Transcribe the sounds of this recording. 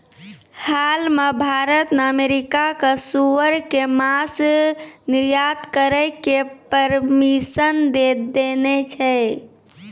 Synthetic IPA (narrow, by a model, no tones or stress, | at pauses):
halmebʱaɾət̪nəmeɾikakəsuəɾkemas | niɾjad̪kəɾəɪkepəɾmisənd̪ed̪enet͡ʃʰɛ